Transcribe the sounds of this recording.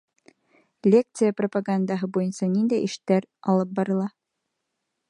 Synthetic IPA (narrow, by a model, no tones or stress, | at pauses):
lʲek̚t̪sɨjəpropaɡand̪ɑɦɤbujɤ̆nsɑnind̪æʔɘʃt̪ːæɾɑlˠɤp̚bɑɾɤ̆lˠɑ